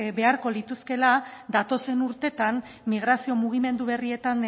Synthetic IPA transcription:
βe̞aɾko̞lit̪uske̞lad̪at̪o̞se̞nuɾt̪e̞t̪an | miɣ̞ɾasio̞muɣ̞ime̞nd̪uβe̞rie̞t̪an

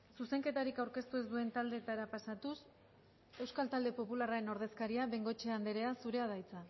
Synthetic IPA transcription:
suse̞ŋke̞t̪aɾikawɾke̞st̪ue̞zd̪ue̞nt̪ald̪e̞ːt̪aɾapasat̪us | e̞wskalt̪ald̪e̞po̞pularaɾe̞no̞ɾð̞e̞skaɾiaβe̞ŋɡo̞t͡ʃeand̪eɾe̞asuɾe̞aðajt͡sa

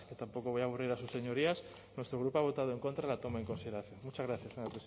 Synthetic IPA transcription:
ket̪ampo̞koβojaβuriɾasusːe̞ɲo̞ɾias | nwe̞st̪ɾo̞ɣ̞ɾupoaβo̞t̪að̞oe̞ŋko̞nt̪ɾaelat̪o̞maeŋko̞nsiðeɾaθjonmut͡ʃazɣɾaθjaseɲapɾe

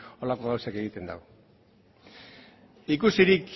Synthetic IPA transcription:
o̞lako̞ɣawsake̞ɣit̪e̞nd̪a̰w | ikusiɾik

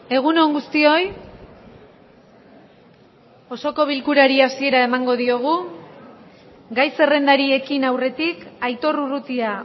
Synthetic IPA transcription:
e̞ɣ̞uno̞ŋɡust̪io̞j | o̞so̞ko̞β̞ilkuɾaɾiasie̞ɾae̞maŋɡo̞ðio̞ɣ̞u | ɡajse̞re̞nd̪aɾie̞kinawre̞t̪ikajt̪o̞ruɾut̪ia

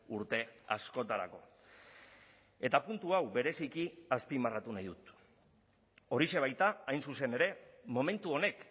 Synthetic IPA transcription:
uɾt̪e̞a̰sko̞t̪aɾa̰ko̞̰ | e̞t̪apunt̪uawbe̞ɾe̞sikiaspimarat̪unajðut̪ | o̞ɾise̞β̞ajt̪aːjnsuse̞ne̞ɾe̞mo̞me̞nt̪uo̞ne̞k

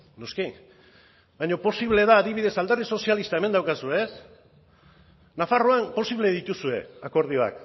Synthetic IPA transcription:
no̞ski | bajɲo̞po̞siβle̞ðaːðiβiðe̞sald̪ariso̞sialist̪ae̞me̞nd̪awkasuees | nafaroanpo̞siβle̞ðit̪usue̞̰ako̞ɾð̞ioa̰k

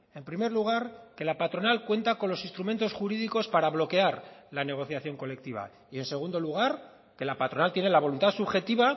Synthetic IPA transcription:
e̞mpɾime̞ɾluɣ̞aɾke̞lapat̪ɾo̞nalkwe̞nt̪ako̞nlo̞sinst̪ɾume̞nt̪osxuɾið̞iko̞spaɾaβ̞lo̞ke̞aɾlane̞ɣ̞o̞θjaθjo̞ŋko̞le̞k̚t̪iβ̞a̰ | ie̞nse̞ɣ̞und̪o̞luɣ̞aɾ | ke̞lapat̪ɾo̞nalt̪je̞ne̞laβ̞o̞lunt̪asuβxe̞t̪iβa

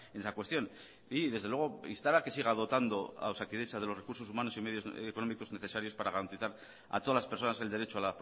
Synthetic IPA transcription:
enesakwe̞st̪jo̞n | iðe̞zðewe̞ɣ̞o̞ḭnst̪aɾake̞siɣ̞að̞o̞t̪and̪o̞a̰wsakiðe̞t͡ʃað̞e̞lore̞kuɾso̞sumano̞sime̞ð̞jo̞zeko̞no̞miko̞zneθe̞saɾjo̞spaɾaɣaɾant̪iθaɾ | a̰t̪o̞ðalaspeɾso̞nase̞ld̪e̞ɾe̞t͡ʃo̞alap

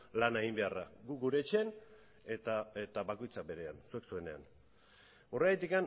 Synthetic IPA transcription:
laneɣimbe̞araɡuɡuɾe̞t͡ʃe̞n | et̪aet̪aβako̞jt͡sabe̞ɾe̞ansueksue̞ne̞a̰n | o̞reajt̪ikan

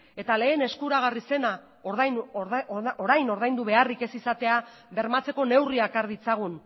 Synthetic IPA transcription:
e̞t̪ale̞ːne̞skuɾaɣ̞arise̞na | oðajn | oɾajno̞ɾðajnd̪uβe̞arike̞sisat̪e̞a | βe̞ɾmat͡se̞ko̞ne̞wriakaɾðit͡saɣ̞un

